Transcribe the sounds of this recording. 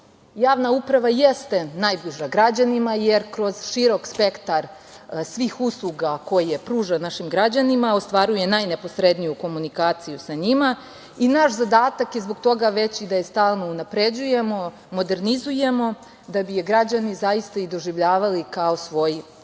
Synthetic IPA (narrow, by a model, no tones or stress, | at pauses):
jaːʋnaupɾaʋajest̪e̞najbliʒaɡɾad͡ʑanimajeɾkɾo̞zʃiɾo̞kspe̞kt̪aɾ | sʋiːxuslˠuɡako̞jijepɾuːʒanaʃimɡɾad͡ʑanimao̞st̪ʋaːɾuje̞najnepo̞sɾe̞d̪nijuko̞munikaːt̪sijusaɲima | inaʃzad̪aːt̪akizbo̞ɡ̚t̪o̞ɡaʋe̞t͡ɕid̪ajest̪aːlˠno̞unapɾed͡ʑujemo̞ | mo̞d̪e̞ɾnizuje̞mo̞ | d̪abijeɡɾad͡ʑanizajist̪aid̪o̞ʒiʋʎaːʋalikao̞sʋo̞ji